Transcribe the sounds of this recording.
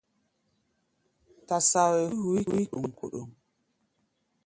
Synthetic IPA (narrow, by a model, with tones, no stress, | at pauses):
ta˨sa˨we˨˦hu˨i˦˨wi˦ku˨ŋ˨ko̰˨ɗo̰˨ŋ